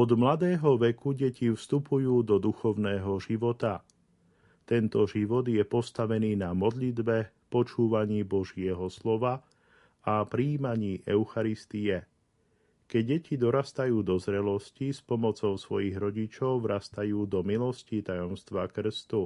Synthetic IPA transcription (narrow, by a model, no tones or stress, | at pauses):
ɔd̪mlad̪ɛːɦɔʋɛkuɟɛcifst̪upujuːd̪ɔd̪uxɔʊnɛːɦɔʒiʋɔt̪a | t̪ɛnt̪ɔʒiʋɔd̪jɛpɔst̪aʋɛniːnamɔd̪ʎid̪bɛ | pɔt͡ʃuːʋaɲiːbɔʒɪɛɦɔslɔʋa | apɾiːmaɲiːʔɛʊxaɾist̪iɛ | kɛɟ̚ːɛcʰid̪ɔɾast̪ajuːd̪ɔzɾɛlɔscispɔmɔt͡sɔʊsʋɔjiɣɾɔɟit͡ʃɔʊʋɾast̪ajuːd̪ɔmilɔscit̪ajɔmst̪ʋakr̩st̪u